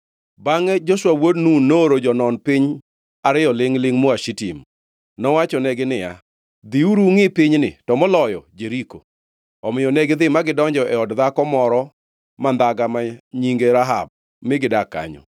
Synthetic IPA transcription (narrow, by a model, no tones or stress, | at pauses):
baŋɛd͡ʒoswawodnunːoɾod͡ʒɔnɔnpɪɲ | aɾɪjɔlɪŋlɪŋmɔaʃitim | nɔwat͡ʃɔnɛɡɪnɪja̰ | d̪iuɾuŋɪpɪɲnɪ̰tɔmɔlɔjɔd͡ʒeɾiko̰ | ɔmɪjɔnɛɡɪd̪ɪmaɡɪdɔɲd͡ʒɔʔɛɔdðakɔmɔɾɔ | mand̪aɡamaɲiŋɡeɾaɦa̰b̚ | mɪɡɪdaka̰ɲɔ̰